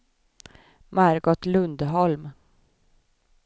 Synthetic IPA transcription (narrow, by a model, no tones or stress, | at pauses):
maɾɡɔt̪lɵnd̪ɦɔlm